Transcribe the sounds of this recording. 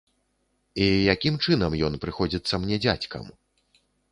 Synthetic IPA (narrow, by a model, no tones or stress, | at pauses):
ijakʲimt͡ʂɨnɐmjɔnpɾɨxɔd͡zʲit̪sːɐmnʲɛd͡zʲat͡sʲkɐ̰m